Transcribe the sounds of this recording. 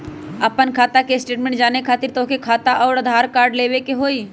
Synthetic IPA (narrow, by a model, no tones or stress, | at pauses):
əpənkʰaːt̪akeɪsʈeːʈmẽɳʈ̚d͡ʒaːnekʰaːt̪ɪɾt̪oːkekʰaːt̪aʔɔːɾəd̪ʱaːɾkaːɾɖleːwekeɦoːiː